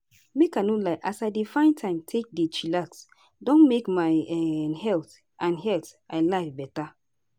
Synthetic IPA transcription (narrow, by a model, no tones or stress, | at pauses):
mekanolaɪʔasadefãɪ̃ntʰãɪ̃mtʰek̚det͡ʃilaks | dɔ̃nmekmaɪhɛlt | ʔãnɦɛltʔaɪlaɪfbɛta